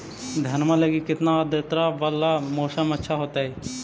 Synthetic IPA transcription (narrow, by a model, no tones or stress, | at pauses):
d̪ʱənmãləɡikɪt̪nãd̪et̪ɾaʋəlːamoːʃəmətːʃʰaːɦoːt̪aːeː